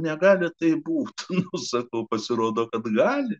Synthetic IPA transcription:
nʲɛɡɑːlʲɪt̪ɐɪbuːt̪nʊsɐkɐʊpɐsʲɪɾoːd̪oːkɐt̪ɡɑːlʲɪ

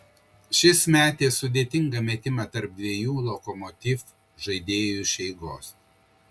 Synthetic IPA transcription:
ʃʲɪsmʲæːt̪ʲeːsːʊd̪ʲeːt̪ʲɪŋɡɐmʲɛt̪ʲɪmɑt̪ɐɾp̚d̪ʲʋʲiɛjuːlˠɔkɔmɔt̪ʲɪf | ʒɐɪd̪ʲeːjʊʃʲɛɪɡoːs

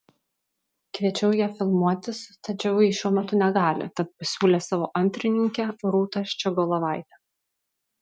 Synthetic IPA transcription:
kʋʲiɛt͡ʃʲɛʊjiɛfʲɪlˠmuɔt̪ʲɪst̪ɐt͡ʃʲɛʊjiːʃʲuɔmʲɛt̪ʊnʲɛɡɑːlʲɪ̰t̪ɐt̪̚pɐsʲuːlʲeːsɑːʋo̰ːʔɐnʲt̪ʲɾʲɪnʲɪŋʲkʲɛɾuːt̪ɐʃʲt͡ʃʲɛɡolˠɐʋɑˑɪt̪ʲɛ

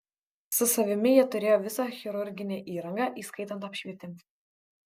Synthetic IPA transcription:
sʊsɐʋʲɪmʲɪjiɛt̪ʊɾʲeːjoːʋʲɪsɑxʲɛɾʊɾʲɡʲɪnʲɛʔiːɾɐŋɡɑʔiːskɐɪt̪ɐnt̪ɐpʲʃʲʋʲiɛt̪ʲɪm

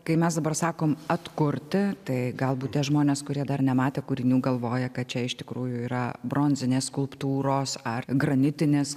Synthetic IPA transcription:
kɐɪmʲɛsd̪ɐbɐrsɑːkoːmɐt̪kʊɾʲt̪ʲɪt̪ɐɪɡɐlˠbuːt̪t̪ʲiɛʒmoːnʲeːskʊɾʲiɛd̪ɐrnʲɛmɑːt̪ʲeːkʊɾʲɪnʲuːɡɐlˠʋoːjɛkɐt̪̚t͡ʃʲɛɪʃt̪ʲɪkɾuːjʊiːɾɐbɾoːnʲzʲɪnʲeːsskʊlˠpt̪uːɾoːsɐrɡɾɐnʲɪt̪ʲɪnʲeːs

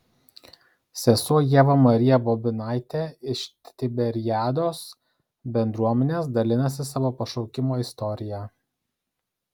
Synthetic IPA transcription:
sʲɛsuɔjeːʋɐmɐɾʲɪjɛbɔbʲɪnɑˑɪt̪ʲeːɪʃt̪t̪ʲɪbʲɛɾʲjæːd̪oːs | bʲɛnd̪ɾuɔmʲɛnʲeːsd̪ɐlʲɪnɐsʲɪsɑʋoːpɐʃɒʊkʲɪmoːɪst̪ɔɾʲɪjæː

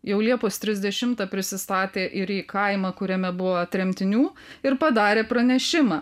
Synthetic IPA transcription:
jɛʊlʲiɛpoːst̪ʲɾʲɪzʲd̪ʲɛʃʲɪmt̪ɑːpʲɾʲɪsʲɪst̪ɑːt̪ʲeːʔɪɾiːkɐɪmɑːkʊɾʲɛmʲɛbʊʋoːɐt̪ʲɾʲɛmʲt̪ʲɪnʲuː | ɪɾpɐd̪ɑːɾʲeːpɾɐnʲɛʃʲɪmɑː

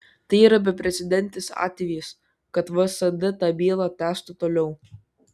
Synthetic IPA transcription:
t̪ɐɪiːɾɐbʲɛpʲɾʲɛt̪sʲɪd̪ʲɛnʲt̪ʲɪsɑ̰ːt̪ʲʋʲiːs | kɐt̪ʋɐsɐd̪ɐt̪ɑːbʲiːlˠɑt̪ʲæːst̪ʊt̪oːlʲɛʊ

